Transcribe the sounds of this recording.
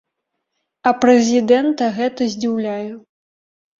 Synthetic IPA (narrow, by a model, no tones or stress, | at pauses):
ɐpɾɛzʲid̪ɛnt̪ɐɣɛt̪ɐzʲd͡zʲiwlʲaju